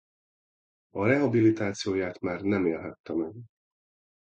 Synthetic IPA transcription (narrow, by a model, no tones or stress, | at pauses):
ɒɾɛɦɒbilit̪aːt̪sijoːjaːt̪maːrnɛmeːlɦɛt̪ːɛmɛɡ